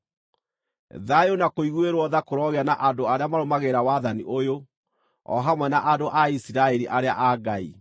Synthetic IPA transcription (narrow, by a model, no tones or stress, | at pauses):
ðajonakoiɣweɾwɔðakoɾɔɣeanaʔandoaɾeamaɾomaɣeɾawaðaniʔojo | ɔ̰ɦamwɛnaʔadoʔaisiɾaɛɾiʔaɾeaʔaɡaḭ